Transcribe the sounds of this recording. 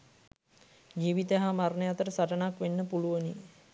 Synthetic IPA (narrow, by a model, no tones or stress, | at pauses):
d͡ʒiːʋit̪əɦamarnəjat̪əɾəsaʈənakʋenːəpuluʋəni